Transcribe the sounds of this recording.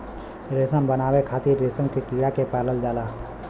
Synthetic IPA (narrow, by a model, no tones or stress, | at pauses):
ɾeːsəmbənaːwekʰaːt̪iɾɾeːsə̃mkekiɽakepaːləld͡ʒaːlaː